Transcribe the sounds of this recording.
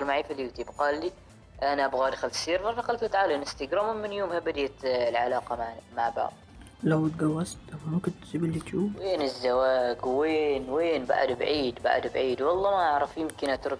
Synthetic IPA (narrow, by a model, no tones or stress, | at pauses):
ɪlmaʕiːfalːit̪iːbqɑːlːi | ʔanaʔabɣaːd̪xalt̪siːɾfɑɾˤfɑqalt̪lɪt̪ʕaːlanʔɪst̪aɡɾɑːmʊmːɪnjoːmhabad̪ajalʕalɑːqɑmaʕba̰ʕb̪ | lawt̪ɡawːastt̪wmakʊnt̪ːsibɪlːit̪juːweːnɪzːawaːɡwweːnweːnba̰ʕ̰d̪bʕiːd̪ba̰ʕ̰d̪bʕiːd̪wɑlˤːɑːmaʔaʕɾˤɑfjɪmkɪnhat̪ɾd̪